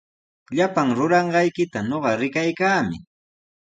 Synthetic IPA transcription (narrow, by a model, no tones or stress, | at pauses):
ʎapaŋɾʊɾɑɴɢɑjkɪt̪aɲoɢɑɾɪkajkaːmɪ